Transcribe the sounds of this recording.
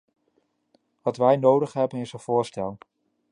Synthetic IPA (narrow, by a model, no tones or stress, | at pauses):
ʋɑtʋɛjnowdəχɦɛbənɪsənv̥ʊːɹstɛlˠ